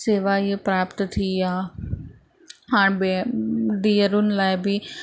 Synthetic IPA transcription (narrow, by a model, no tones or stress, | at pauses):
seːʋaːɪepɾaːpt̪t̪ʰiaː | ɦaːɽ̃beɖiːəɾunɪlaːɪbʱi